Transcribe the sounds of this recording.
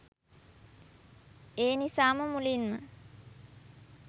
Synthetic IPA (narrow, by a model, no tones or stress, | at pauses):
eːnisaːməmulinmə̰